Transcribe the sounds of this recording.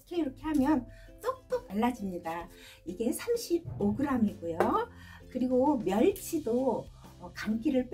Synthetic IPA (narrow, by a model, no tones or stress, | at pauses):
kʰeiɾʌkʰe̞hamjʌn | t͈ʌk̚t͈ok̚t͈aɭːad͡ʑimɲida | iɡe̞sʰamɕʰib̚oɡɯɾamiɡojo | kɯɾiɡomjʌɭt͡ɕʰido | ʌkamk͈iɾɯɭp͈